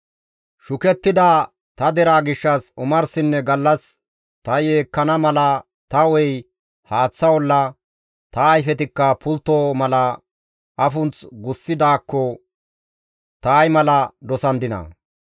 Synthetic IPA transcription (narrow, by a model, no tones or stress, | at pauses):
ʃʊkɛt̪ːɪd̪aː | t̪ɐd̪ɛɾaːɡɪʃːɐsʊmɐɾsɪnːɛɡɐlːɐs | t̪ɐjeːkːɐnɐmɐlɐ | t̪ɐwɛj | haːt͡sːɐwɔlːɐ | t̪ɐːjfɛt̪̬ɪkːɐpʊlt̪ːoːmɐlɐ | ʔɐfʊnt͡sɡʊsːɪd̪aːkːɔ | t̪aːjmɐlɐd̪ɔsɐnd̪ɪnɐ̰